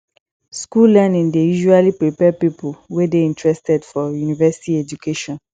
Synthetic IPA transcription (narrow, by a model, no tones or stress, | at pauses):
skullɛnĩŋdejuʒualipɹipɛpipʰuwedeĩntɹɛstɛdfɔjunivɛsi̥tiɛd͡ʒukʰeʃɔ̃n